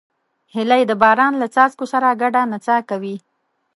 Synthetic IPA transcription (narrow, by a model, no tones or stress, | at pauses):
hɪlajd̪əbɑɾɑnlat͡sɑskosaɾaɡaɖanat͡sakawi